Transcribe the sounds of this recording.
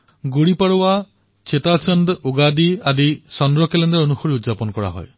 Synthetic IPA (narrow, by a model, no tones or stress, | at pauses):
ɡuɽipaɽowa | t͡ʃʰet̪at͡ʃʰɔnd̪oɡad̪iad̪isɔnd̪ɾɔkelend̪aɾonuxɔɾiud̪d͡ʒapɔnɔkɔɽa̰ɦɔ̰j